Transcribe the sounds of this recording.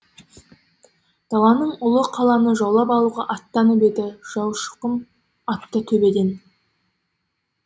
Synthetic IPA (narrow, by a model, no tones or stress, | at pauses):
d̪̥ɑw̪ˠɑnəɴʊlˠəqʰɑlˠɑnəʒɑwlˠɑpɑlˠuʁɑʔɑt̪ːɑnəpe̞d̪ɪʒ̥ɑwʃə̥qəm | ɑt̪ːət̪ʰɵbe̞ɡ̪ʲen